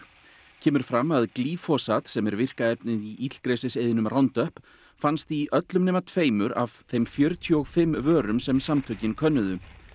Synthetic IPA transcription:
cʰɛːmʏɾ̥fɾamːaðkliːfɔsat̪sɛmɛɾvɪr̥kaɛpnɪðiʔit̪l̥kɾeːsɪsejðɪnʏmrʔawnt̪œhp | fanst̪iʔœt̪lʏmnɛːmat̪ʰveːjmʏɾa̰v̥θejmfjœɾt̪ʰjʏɔɣfɪmvœːɾʏmsɛmsamt̪ʰœɥcɪnkʰœnːʏðʏ

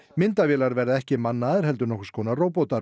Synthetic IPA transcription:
mɪnt̪avjɛːlaɾvɛɾðaɛhcɪmanːaːðɪɾhɛl̪t̪̬ʏɾnɔhkʏ̥skʰɔːnaroːwpowt̪a

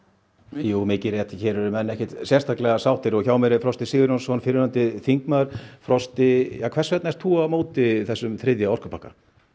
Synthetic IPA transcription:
juːmɪcɪɾjɛt̪çɛːɾʏɾʏmɛnːɛhkcɛ̥t̪sjɛst̪ʰaklɛɣasawht̪ɪɾɔçaːwmɛɾɪfɾɔst̪ɪsɪːɣʏɾjɔnsɔnfɪɾɪðant̪ɪθiŋkmaðɾ̥fɾɔst̪ɪjaːkʰvɛr̥svɛt̪naɛst̪ʰːuːamoːt̪ɪθɛsːʏmθɾɪðjaɔr̥kʏ̥pʰahka̰

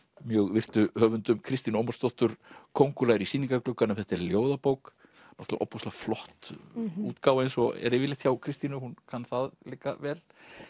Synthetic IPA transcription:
mjœːɣvɪr̥t̪ʏhœːvʏnt̪ʏmkʰɾɪst̪inʏoːmast̪ɔht̪ʏɾ̥kʰowŋkʏlaːjɪɾisiːniŋkaklʏkːanɛmθɛht̪ɛɾljoːwðapowk | nɔht̪laʔɔ̰pːɔst̪laflɔht̪ṵːt̪kaːwaejnsɔɛ̰ɾevɪlɪht̪çawkʰɾɪst̪inʏhunkʰanθaðlɪkːavɛːl

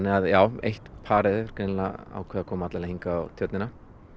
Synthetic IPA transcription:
nːɪaðjaːwḛjht̪pʰaːɾɪðɪɾ̥kɾenlaa̰wkʰvɛːðakʰɔːmaat̪lalahĩŋkaawt̪ʰjœt̪nɪna

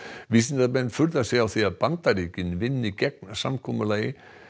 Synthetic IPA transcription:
ʋisɪnd̪amɛnfʏlt̪asɪawθiaðpant̪aɾicɪnʋɪnːikɛk̚nsamkʰɔməlaɪ

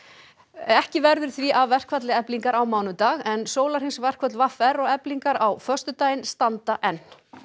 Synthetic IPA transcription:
ɛhcɪvɛɾðʏɾ̥θviʔavːɛr̥kʰvat̪lɪɛpliŋkaɾawmaːwnʏt̪aːɣɛnsoːwlaɾ̥hɪnsvɛr̥kʰvœt̪lvafɛɾɔɣɛpliŋkaɾawfœ̥st̪ʏt̪aːjɪnst̪ant̪aʔɛnː

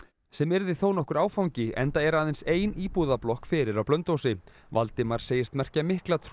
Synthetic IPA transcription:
sɛmɛɾðɪθownɔhkʏɾaːwfawɲcɪʔɛ̰nt̪aɛɾaːðɪnseːjniːpuðaplɔhkfɪːɾɪɾawplœnt̪owsɪ | va̰lt̪ɪmaɾ̥seːjɪst̪mɛr̥camɪhklat̪ʰ

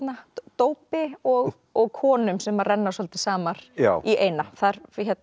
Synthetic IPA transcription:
nat̪oːwpɪɔɣ | ɔɣkʰɔːnʏmsɛmarɛnːasɔlt̪ɪsaːmaɾ̥iʔeːjnaθaɾçɛt̪n

